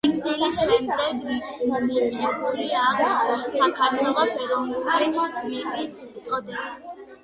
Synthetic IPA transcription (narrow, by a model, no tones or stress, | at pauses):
iksɛliʃɛmd̪ɛɡ | d̪anaɾt͡ʃʼɛbuliaksakʰaɾt̪ʰwɛlˠɔpɛɾɔvnullimat̪ʰmɛɾʼisɛt̪sʼɔd̪ɛba